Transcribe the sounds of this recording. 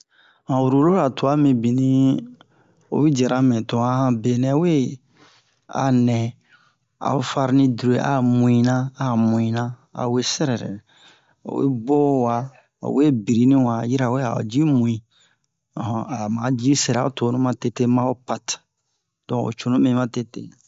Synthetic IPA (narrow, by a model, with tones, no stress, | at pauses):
hã˨wu˨ɾu˨lo˦ɾa˨tu˨a˦mĩ˨bi˨nĩ˦ | o̰˨wi˦d͡ʒɛ˨ɾa˦mɛ̃˨tõ˨a˦hã˨be˨nɛ̃˦we˦ | a̰˨nɛ̃˨ | a̰˨o˨fa˧ɾnĩ˦du˨ɾo˨ʔa̰˨mũ˨ĩ˨nã˦a˨mũ˨ĩ˨nã˦ | a̰˨we˦sɛ˦ɾɛ˨ɾɛ̰˨ | o̰˨wḛ˦bɔ˦wa˨ | o̰˨we˦bi˨ɾi˦nĩ˦wa˨ji˦ɾa˨we˦a̰˨d͡ʒi˦mũ˨ĩ˨ | ɔ̃˨a˨mã˨d͡ʒi˦sɛ˨ɾa˨o˦to˨˦nũ˦mã˦te˦te˦mã˦o˦pa˨t | d̥ɔ̃˨o̰˨t͡ʃo˨nũ˦mĩ˨mã˦te˦tḛ˦